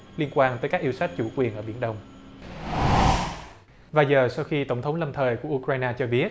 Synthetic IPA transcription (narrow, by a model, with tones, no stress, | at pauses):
li˧ənkwaː˧nt̪ə˨˦jkaː˦˥k̚ʔi˧ə˧wsa˦˥k̚t͡ɕu˧˩kwi˨˩ənʔəː˧˩ɓi˧˩ənɗə˧wŋ͡m | vaː˨˩jzəː˨˩sa˧wxi˧t̪ə˧˩wŋ͡mt̪ʰə˨˦wŋ͡mlə˧mt̪ʰəː˨˩jku˧˩əʔu˧kɾaː˧jnaː˧t͡ɕɔ˧ɓi˦˥ət̚